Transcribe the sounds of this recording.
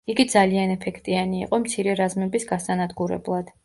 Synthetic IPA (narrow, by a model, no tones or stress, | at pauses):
iɡid̪zalianɛpʰɛkʰt̪ʼianḭːqʼɔmt̪sʰiɾɛɾazmɛbisɡasanad̪ɡuɾɛ̰blˠad̪̥